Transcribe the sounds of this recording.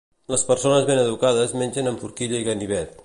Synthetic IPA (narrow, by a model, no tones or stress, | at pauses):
ləspəɾsonəzβenəðukaðəzmenʲʒənəɱfuɾkiʎəiɣəniβɛt̪̚